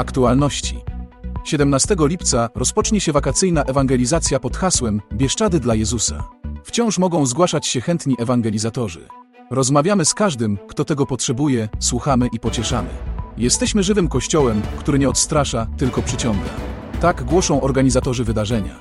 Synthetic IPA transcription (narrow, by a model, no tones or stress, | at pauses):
akt̪ualnɔɕt͡ɕḭɕɛd̪ɛmnast̪ɛɡɔlʲipt̪saɾɔspɔt͡ʂɲɛɕɛvakat̪sɘjnaʔɛvaŋɡɛlʲizat̪sʲjapɔt̪xaswɛmbʲjɛʂt͡ʂad̪ɘd̪lajɛzusa̰ft͡ɕɔ̃w̃ʂmɔɡɔ̃w̃zɡwaʂat͡ɕɕɛxɛnt̪ɲiʔɛvaŋɡɛlʲizat̪ɔʐɘ̰ | ɾɔzmavʲjamɘskaʐd̪ɘmkt̪ɔt̪ɛɡɔpɔtʂɛbujɛswuxamɘʔipɔt͡ɕɛʂamɘ̰jɛst̪ɛɕmɘʐɘvɘmkɔɕt͡ɕɔwɛmkt̪uɾɘɲɛɔt̪st̪ɾaʂat̪ɘlkɔpʂɘt͡ɕɔ̃ŋɡa̰ | t̪aɡɡwɔʂɔ̃w̃ʔɔɾɡaɲizat̪ɔʐɘvɘd̪aʐɛɲa̰